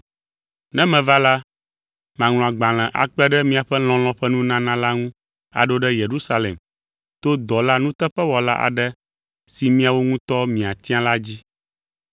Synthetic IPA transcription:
nɛ̃˦mɛ̃˨va˦la˦ | mã˨ŋlɔ̃˨a˨ɡ͡bã˨l̃ɛ̃˨ʔa̰˨k͡pɛ˦ɖɛ˦mĩ˦a˨ɸɛ˦l̃ɔ̃˨l̃ɔ̃˦ɸɛ˦nũ˦nã˦nã˦la˦ŋũ˦ | a̰˨ɖo˦ɖɛ˦je˨ɾu˦sa˦lḛ˨m | t̪o˦d̪ɔ˨la˦nũ˦t̪ɛ˦ɸɛ˦wɔ˨la̰˦ʔa̰˨ɖɛ˦ | si˨mĩ˦a˨wo˦ŋũ˦t̪ɔ˦mĩ˨a˨t̪i˦ã˦la˦d͡ʑi˦

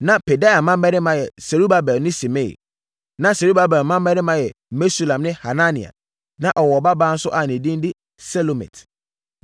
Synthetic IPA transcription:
nã˨pʰe˨da˦a˨mã˦mː˦ɛ˦ɾɪ̃˦mã˦jɛ˨se˨ɾu˦ba˦bɛ˨˦nɪ̃˦si˨me˦˨ḭ˨ | nã˨se˨ɾu˦ba˦bɛ˨lmã˦mː˦ɛ˦ɾɪ˦mã˦jɛ˨ | me˦su˦lã˨mnɪ̃˦ha˨nã˦nĩ˨a̰˨ | nã˨ʔɔ˨wɔ˨ba˦bãː˦n̩˦sʊ˦ʔa˨nĩ˨dĩ˦n˦dɪ˦ | sɛ˦lo˨mɛ̰̃˨tʰ

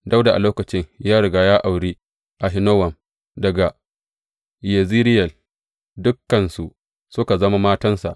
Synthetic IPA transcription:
da˦wda˨ʔa̰˨loː˦kɐ˨t͡ʃɪ˦ɲjaː˦ɽʊ˨ɡaː˦jaː˦ʔa˨wɽiː˦ | ʔa˨ɦɪ˦noː˦wɐ˨m | dɐ˨ɡa˨ | jɐ˨ziː˦ɾɪ˦jɐ˨l | dʊ˦kːɐ˨nsu˨ʔ | sʊ˦ka˨zɐ˦ma˦maː˦tɐ˦nsa̰˨ʔ

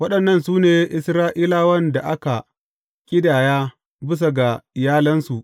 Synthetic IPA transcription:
wɐ˦ɗɐ˨nːɐ˦nsuː˦neː˨ʔɪ˦˨sɾaː˦ʔiː˦laː˦wɐ˦nda˨ʔa˦ka˨ | kʲʼɪ˦daː˨jaː˦ | bɪ˦s̬a˨ɡa˨ɪ˨jaː˦lɐ˦nsu˨ʔ

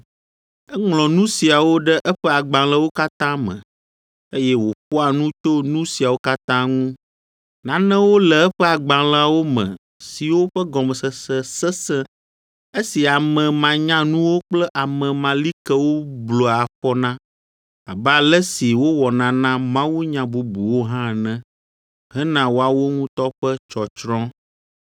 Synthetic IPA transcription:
ɛ˦ŋlɔ̃˨nũ˦si˨a˨wo˦ɖɛ˦ʔɛ˦ɸɛ˦a˨ɡ͡bã˨lɛ˦wo˦ka˦t̪ã˦mɛ̰̃˨ | e˦jɛ˦wo˨ɸɔ˦a˨nũ˦t̪o˦nũ˦si˨a˨wo˦ka˦t̪ã˦ŋũ˦ | nã˦nɛ̃˦wo˦lɛ˨ɛ˦ɸɛ˦a˨ɡ͡bã˨la˦wo˦mɛ̰̃˨ | si˨wo˦ɸə˦ɡɔ˨mɛ˨sə˨sɛ˦sɛ˦sɛ̃˦ | e˦si˨a˨mɛ̃˨mã˨ɲã˦nũ˦wo˦k͡plɛ˦ʔa˨mɛ̃˨mã˨li˦kɛ˦wo˦blo˨a˨ɸɔ˦nã˦ | a˨bɛ˦a˨lɛ˦si˨wo˦wɔ˨nã˦nã˦mã˦wu˦ɲã˨bu˨bu˨wo˦ɦã˦˨nɛ̃˦ | ɦɛ˦nã˨wo˦a˨wo˦ŋũ˦t̪ɔ˦ɸɛ˦t͡ʃɔ˨t͡ʃɾɔ̃˦

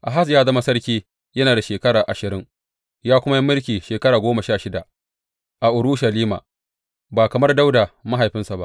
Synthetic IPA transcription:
ʔa˨ɦa˦s̬jaː˦zɐ˦ma˦sɐ˦rkʲiː˦ | jɐ˦naː˨da˨ʃeː˨kɐ˦ɽaː˨ʔa˨ʃɪ˨ɾɪ˦ŋ | jaː˦kʷʊ˦ma˦jɐ˦mːɪ˦lkʲiː˨ʃeː˨kɐ˦ɽaː˨ɡʷoː˦mɐ˨ʃaː˦˨ʃɪ˦da˨ʔ | ʔa˨ʔʊ˨ɾʊ˦ʃɐ˨liː˦ma̰ː˨ | baː˨kɐ˨mɐ˦rda˦wda˨mɐ˦ɦa˨jɸɪ˦nsa˨ba̰˦ʔ

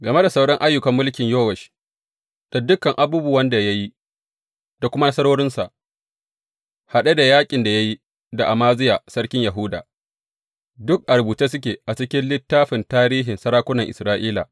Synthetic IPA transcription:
ɡɐ˨me˦da˨sa˦˨wɽɐ˦ŋʔa˦jːʊ˨kɐ˨mːʊ˦lkʲɪ˨ɲjoː˦wɛ˨ʃ | d̥a˨dʊ˦kːɐ˨ŋʔa˨buː˦bu˦wɐ˦nda˨ja˦ji˦ | d̥a˨kʷʊ˦ma˦nɐ˦sɐ˦ɽoː˦ɽɪ˦nsa˨ʔ | ha˨ɗe˦da˨jaː˦kʲʼɪ˨nda˨ja˦ji˦ | da˨ʔa˨maː˦zɪ˦jaː˨sɐ˦ɽkʲɪ˦ɲja˨ɦu˦da̰ː˨ | dʊ˦k̚ʔa˨ɾbuː˨ta˦sʊ˦k̬ʲeː˨ʔa˨t͡ʃɪ˦kʲɪ˦nlɪ˦tːaː˦ɸɪ˨ntaː˦ɾiː˦ɦɪ˨nsɐ˦ɾaː˦kʷʊ˦nɐ˨ŋʔɪ̰˨sɾaː˦ʔiː˦la̰˨

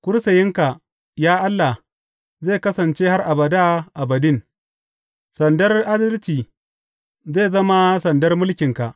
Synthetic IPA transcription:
kʷʊ˦ɾsɐ˨jɪ˦ŋka˨ | jaː˦ʔa˦lːa˨ | zeː˦˨kɐ˦sɐ˨nt͡ʃeː˦ha˦rʔa˨bɐ˨da˦ʔa˨bɐ˨dɪ˦˨n | sɐ˨ndɐ˦rʔa˦dɐ˦lt͡ʃiː˨ | zeː˦˨zɐ˦ma˦sɐ˨ndɐ˦rmʊ˦lkʲɪ˨ŋka˨ʔ

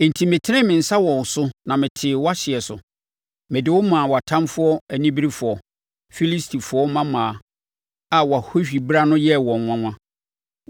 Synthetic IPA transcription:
n̩˨tʰi˨mɪ̃˨tʰɪ˦nɪ̃˦mɪ̃˨n̩˨sa˦wɔ̃˨wsʊ˦nã˨mɪ̃˨tʰɪː˨wɔ˦a˦ɕɪ˨ɛ˨sʊ̰˨ | mɪ̃˨dɪ˨˦wʊ˦mã˨wɔ˨a˨tʰã˦mfʊ˦ɔ˦æ˨nĩ˦bi˦ɾi˦fʊ˨ɔ˨ | fi˦li˦stʰi˨fʊ˨ɔ˦mã˦mãː˨ | a˨wɔ˨a˨ho˦ɕᶣi˨bɾa˦nʊ̃˦jɛ˦wɔ̃˨nwʷã˦ŋʷã˦

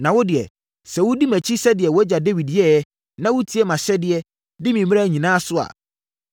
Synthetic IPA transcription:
nã˨wɔ˦dɪ˨ɛ̰˨ | sɛ˨wʊ˦di˦mæ̃˨t͡ɕʰi˦sɛ˦dɪ˨ɛ˨wɔ˦d͡ʑa˨de˦wi˨djɛ˦jɛ˦ | nã˦wʊ˦tʰi˦ɛ˦mã˨ɕɛ˦dɪ˨ɛ˦ | dɪ˦mĩ˨mĩ˦a˦˨ɲĩ˨nãː˦sʊ˦a̰˨

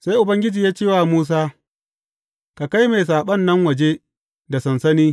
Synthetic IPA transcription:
sa˦jʔʊ˨bɐ˦ŋɡʲɪ˦d͡ʒiː˨jaː˦t͡ʃeː˦waː˨muː˦s̬aː˦ | ka˨ka˦jme˨js̬aː˨ɓɐ˦nːɐ˦ŋwɐ˨d͡ʒe˦ | da˨sɐ˨nsɐ˦niː˦

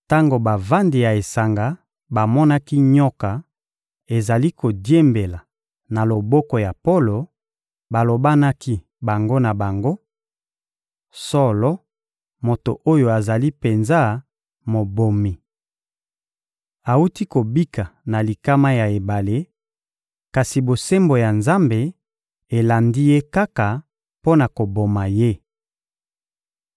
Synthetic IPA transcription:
ta˦ŋɡo˨ba˨va˦ndi˨ja˨e˨sa˨ŋɡa˨ | ba˨mɔ˦na˦ki˦ɲɔ˦ka˨ | e˨za˨li˦ko˨dje˦mbe˨la˨ | na˨lo˨bɔ˦kɔ˨ja˨po˦lo˨ | ba˨lo˨ba˦na˦ki˦ | ba˨ŋɡo˦na˨ba˨ŋɡo˦ | sɔ˦lɔ˦ | mo˨to˨ʔo˦jo˨a˨za˨li˦pe˨nza˦ | mo˨bo˨mi˨ | a˨u˦ti˦ko˨bi˦ka˨na˨li˨ka˦ma˦ja˨e˨ba˨le˦ | ka˨si˨bo˨se˦mbo˨ja˨nza˦mbe˨ | e˨la˨ndi˦je˦ka˦ka˨ | po˦na˨ko˨bo˨ma˨je˦

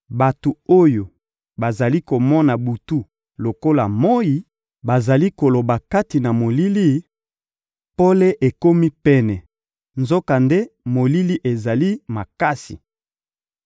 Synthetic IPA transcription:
ba˨tu˨o˦jo˨ | ba˨za˨li˦ko˨mɔ˦na˨bu˨tu˦ | lo˨ko˦la˨mɔ˦i˦ | ba˨za˨li˦ko˨lo˨ba˨ka˦ti˨na˨mo˨li˦li˦ | po˦le˦ʔe˨ko˦mi˦pɛ˦nɛ˨ | nzo˦ka˨nde˦mo˨li˦li˦ʔe˨za˨li˦ma˨ka˦sḭ˨

